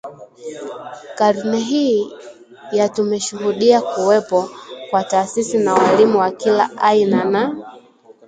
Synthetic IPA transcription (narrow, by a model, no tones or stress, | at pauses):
kaɾnɛɦi | jatumɛʃuhuɗiakuwɛpɔkwataːsisinawalimuwakila̰ʔainana